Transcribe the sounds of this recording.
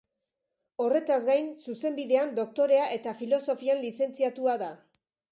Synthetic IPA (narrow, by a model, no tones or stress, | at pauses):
o̞re̞t̪azɡajnsuse̞mbiðe̞and̪o̞k̚t̪o̞ɾe̞aʔe̞t̪afilo̞so̞fianlise̞nt͡siat̪uaða